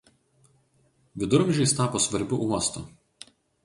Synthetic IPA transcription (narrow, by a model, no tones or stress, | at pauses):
ʋʲɪd̪ʊɾmʲʒʲɛɪst̪ɑːpoːsʋɐɾʲbʲʊʔuɔst̪u